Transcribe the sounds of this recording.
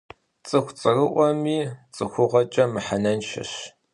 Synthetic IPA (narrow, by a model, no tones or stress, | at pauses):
t͡sʼɨxʷt͡sʼɨrɨʔʷɔmiːt͡sʼɨxʷʊʁɐt͡ʃʼɐmɨħanɐnʃɐ̰ɕ